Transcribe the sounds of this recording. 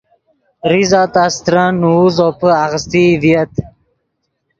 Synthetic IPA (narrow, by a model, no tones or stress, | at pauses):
ɾizat̪ast̪ɾanuuzopəaɣəst̪ivijət̪